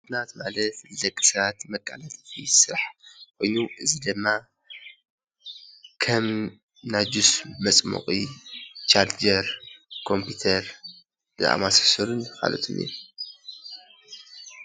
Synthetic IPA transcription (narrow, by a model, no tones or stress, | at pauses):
d̪nat̪malɐt̪zɐkʼːɨ̥sat̪mɐkʼːa̰lat̪ʼfʰisɨɾaħkʰo̞jnuʔɨzid̪ɨmːa | kʰɐm | nad͡ʒusmɐt͡sʼmo̰qʼit͡ʃaɾd͡ʒɐɾkʰo̞mpʰit̪ʰɐɾ | d̥ɨʔa̰masɐ̥sɨɾunka̰lo̰t̪ʰɨnḭɾ